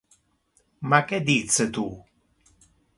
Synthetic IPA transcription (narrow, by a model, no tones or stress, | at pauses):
makɛd̪it͡sːet̪u